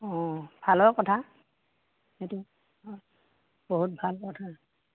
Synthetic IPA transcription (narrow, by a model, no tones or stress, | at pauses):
ɔ̃b̥ʱalɔkɔtʰa | hetu | ɔ | b̥oɦut̚bʱalkɔtʰa